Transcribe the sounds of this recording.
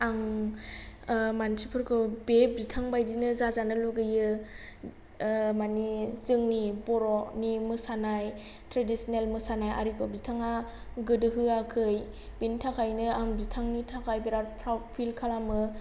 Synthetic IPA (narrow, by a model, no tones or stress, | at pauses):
aŋ | mansipʰɯɾkʰɯbezitʰaŋbajdinɯzazanɯluɡɯjɯ | manizɯŋnibɔɾɔnimɯsanaj | tɾadisnelmɯsanaja̰ɾikʰɔbzitʰaŋa | ɡɯdɯɦɯakʰɯj | b̥intʰakʰajnɯaŋbzitʰaŋnitʰakʰajbiɾapʰɾapʰilkʰalamɯ